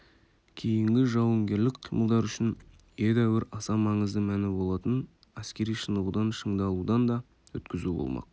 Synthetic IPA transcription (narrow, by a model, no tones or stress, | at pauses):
kʲʰe̞jɪŋɡʲɪʒɑwəŋɡʲe̞ɾlɪkqʰijmʔəlˠd̪ɑɾʏʃɪn | jed̪æwɪɾɑsɑmɑɴəzd̪əmænɪbo̞lˠɑt̪ən | æskʲe̞ɾijʃənəʁud̪ɑnʃəɴd̪ɑlˠud̪ɑnd̪ɑ | wɵ̰t̪kʲɪzubo̰lˠmʔɑ̰q̚